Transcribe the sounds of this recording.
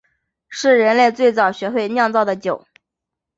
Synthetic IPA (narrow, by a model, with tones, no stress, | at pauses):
ʂɻ̩˥˩ɻə˧˥nle˥˧ɪt͡swe˥˩ɪt͡sɑ˨˩ʊɕɥɛ˧˥xwe˥˧ɪnjɑ˥˧ŋt͡sɑ˥˩ʊd̪ə˩t͡ɕjo˨˩˦ʊ